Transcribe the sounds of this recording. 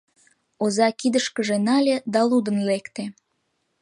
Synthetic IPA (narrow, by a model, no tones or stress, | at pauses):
ozɑkid̪əʃkəʒenɑlʲed̪ɑlud̪ənlekt̪e